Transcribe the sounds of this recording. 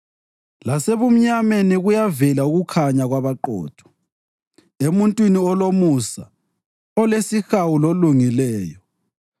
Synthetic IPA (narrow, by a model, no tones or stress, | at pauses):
laseβum̩ɲameniɣujavɛlauɣukʰaɲaɣwaβaǃɔ̰ːd̥ʰʱɔ̥ | emuntʼwiniɔlomusa | ɔlesixawuloluŋilɛːjɔ